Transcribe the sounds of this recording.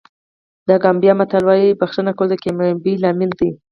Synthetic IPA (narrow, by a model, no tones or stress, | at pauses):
d̪aɡambjɑmat̪alwɑjibaxtənakawəld̪əkembilamɪld̪i